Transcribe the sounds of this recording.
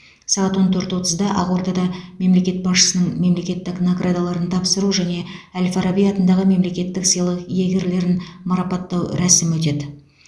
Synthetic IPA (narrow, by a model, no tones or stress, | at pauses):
sɑʁɑt̪wo̞nt̪ʰɵɾt̪wo̞t̪əzd̪ɑʔɑʁwoɾd̪ɑd̪ɑme̞mle̞kʲe̞t̪̚bɑsʃə̥sənəɴme̞mle̞kʲe̞t̪ːɪknoɡrʔad̪alˠɑɾənt̪ʰɑpsəɾuʒæne̞ælʲfaɾabijɑt̪ənd̪ɑʁəme̞mle̞kʲe̞t̪ːɪksəjlˠəqjeɡʲe̞ɾle̞ɾɪnmɑɾɑpɑt̪ːɑwɾæsɪmwɵt̪e̞d̪ɪ